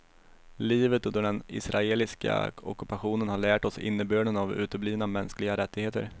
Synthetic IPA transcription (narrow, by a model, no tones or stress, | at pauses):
liːvət̪ɵnd̪əɖɛnɪ̰sɾʔaeːlɪska̰ɔ̰kɵpaɧuːnənhaɭæːʈɔsɪ̰nːəbøːɖənavʉ̟ːt̪əbliːvnamɛnsklɪɡaɾɛt̪ːɪɡheːt̪ə̰ɾ